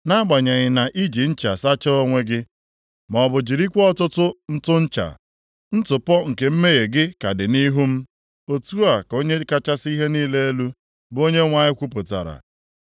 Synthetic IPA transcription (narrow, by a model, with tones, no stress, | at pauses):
na˦ɡ͡ba˨ɲa˨ɲɪ˨na˨ʔi˦d͡ʒi˨n̩˦t͡ʃa˨sa˦t͡ʃɔ˦o˦ŋʷe˦ɡɪ˦ | m˨ɔ˨bʊ˨d͡ʒi˨ɾi˦kʷɔ˦tʊ˦tʊ˦n̩˦tʊ˦n̩˦t͡ʃa̰˨ | n̩˦tʊ˨pɔ˦ŋ̩˨ke˨m̩˦me˦ɣe˨ɡɪ˦ka˨dɪ˨ni˦ɦu˦m̩˦ | o˦tu˦a˨ko˦ɲe˦ka˦t͡ʃa˦si˦ɦe˦niː˦le˦e˦lu˦ | bo˦ɲe˦ŋʷa˨ɲɪ˦kʷu˦p̬ʊ˨ta̰˨ɾa̰˨